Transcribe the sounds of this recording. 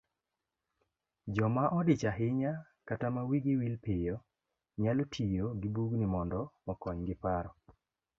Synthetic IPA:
d͡ʒɔmaʔɔdɪt͡ʃaɦɪɲa | katamawiɡɪwilpɪjɔ | ɲalotʰijoɡɪbuɡnɪmɔndɔmɔkɔɲɡɪpaɾɔ

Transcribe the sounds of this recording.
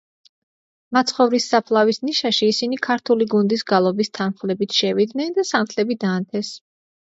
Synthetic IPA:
mat̪sʰχɔvɾisːapʰlˠavisniʃaʃiːsinikʰaɾt̪ʰuliɡund̪isɡalˠɔbist̪ʰanχlɛbit̪ʰʃɛvid̪nɛnd̪asamt̪ʰlɛbid̪aːnt̪ʰɛs

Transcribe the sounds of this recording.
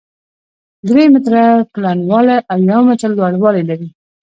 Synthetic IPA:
d̪ɾemɪt̪ɾaplanwɑlaʔawjawmɪt͡ʃald̪wɑɽwɑlajlaɾi

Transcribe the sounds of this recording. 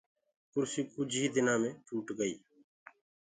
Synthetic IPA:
kʊɾsiːkʊd͡ʒʱɦiːd̪ɪnãːmẽːʈʰuːʈɡəḭː

